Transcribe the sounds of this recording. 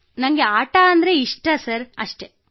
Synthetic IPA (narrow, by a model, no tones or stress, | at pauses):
nɐŋɡeaːʈaɐnd̪ɐɾeiʂʈɐsɐɾɐʂʈe